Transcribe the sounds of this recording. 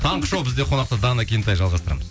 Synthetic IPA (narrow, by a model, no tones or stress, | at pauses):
t̪ʰɑɴqəʃowbɪzd̪eqʰo̞nɑq̚t̪əd̪ɑnakʲʰejnt̪ɑjʒɑlˠʁɑst̪ɾɑ̰məz̥